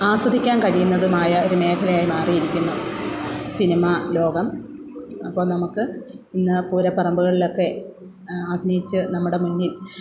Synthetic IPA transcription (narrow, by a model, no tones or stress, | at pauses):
aːswɐd̪ʱikʲːaːnkɐɻijunːɐðumaːjɐo̞ɾume̞ːkʰɐlɐjaːjimaːrijiɾikʲːunːu | sinimalo̞ːɡɐm | ɐpːo̞ːlnɐmukːɨ | inːɨpuːɾɐpːɐrɐmbuɣɐɭilo̞kːe̞ | aɡ̪ʱnɐjit͡ɕːɨnɐmːuɽe̞munːil